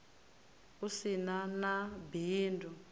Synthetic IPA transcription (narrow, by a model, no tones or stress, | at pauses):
usinanabiːndu